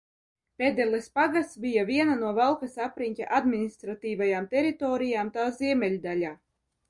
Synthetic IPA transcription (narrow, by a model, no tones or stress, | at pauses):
pʲed̪ɛlʲˠɛspaɡasbʲijavʲiɛnanuɔvalˠkasapɾinʲcʲa̰ʔad̪mʲinist̪ɾat̪iːvajaːmt̪ʲɛɾit̪ɔːɾijaːmt̪aːzʲiɛmʲɛlʲd̪alʲaː